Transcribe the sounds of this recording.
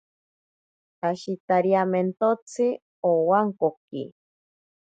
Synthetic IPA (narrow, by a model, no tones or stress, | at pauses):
aʃit̪aɾjament̪ot͡sʰɨ | owaŋkokḭ